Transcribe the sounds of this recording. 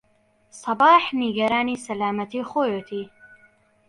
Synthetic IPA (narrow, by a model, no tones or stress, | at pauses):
sˤɑbaːħniɡɐɾaːniːsɐlaːmɐt̪iːχoːjoːt̪ʰiː